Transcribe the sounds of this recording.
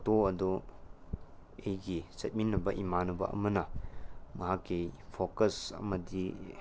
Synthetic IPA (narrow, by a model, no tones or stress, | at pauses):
toɐdu | ejɡisɐt̚minːɐbɐʔimanubɐ̰ʔɐ̰mɐnɐmɐɦakːejpʰokɐsɐ̰mɐdi